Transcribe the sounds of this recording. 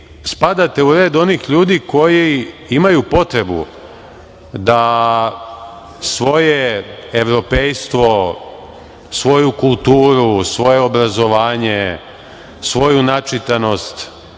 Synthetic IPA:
spad̪at̪e̞uɾe̞ːd̪o̞nixʎuːd̪iko̞jiimajupo̞t̪ɾe̞bṵ | d̪a | sʋo̞jeeʋɾo̞pejst̪ʋo̞ | sʋo̞jukulˠt̪uːɾusʋo̞je̞o̞bɾazo̞ʋaːɲe | sʋo̞junat͡ʃit̪ano̞st̪

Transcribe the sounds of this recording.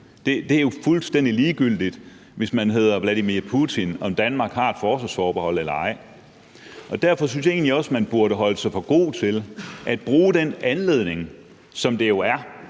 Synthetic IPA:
d̥e̝d̥e̝æjo̝fulsd̥en̰d̥iliːɡ̥yl̰d̥id̥ | ʋe̝smænɦe̝ð̞̰ˠɐʋlæɾimiɐpʰut͡sʰinɒ̽md̥ænmɑ̈ːɡ̥hɑ̈ed̥fɒːsɛsfɒːb̥ehɒ̽l̰elɐɑ̈ɪ̰ | ʔɒ̽d̥æɐ̰fɒ̽synsjɑe̝ːnliɒ̽smænb̥uɐɾ̥əɦɒ̽ləsɑ̈ɪfɒ̽ɡ̥o̝̰ːt͡sʰe̝lʔæd̥̚b̥ʁuːd̥enænle̝ðˠne̝ŋ | sɒ̽md̥ejo̝æɐ

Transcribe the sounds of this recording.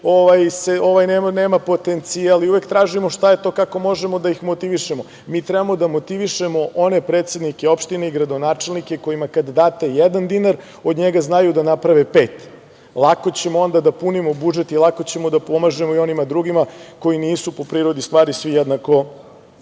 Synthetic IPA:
oʋajseoʋajnemaneːmapo̞t̪ent̪sialiuʋekt̪ɾaːʒimoʃt̪aje̞t̪o̞ːkako̞mo̞ʒemo̞d̪aixmot̪iʋiʃemo̞ | miːt̪ɾɛbamo̞d̪amo̞t̪iʋiʃemo̞ʔo̞ne̞pɾet̪sed̪nikeo̞pʃt̪ineiɡɾad̪onaːt͡ʃelˠnike̞ko̞jimakand̪d̪aːt̪ejɛd̪and̪inaɾ | o̞d̪ɲeɡaznajud̪anapɾaʋepe̞ːt̪ | lˠako̞t͡ɕe̞moo̞nd̪ad̪apunimo̞bud͡ʒet̪ilˠako̞t͡ɕe̞mo̞d̪apo̞maʒe̞moio̞nimad̪ɾuɡimako̞jiniːsupo̞pɾiɾo̞d̪ist̪ʋaːɾisʋijɛd̪nako̞

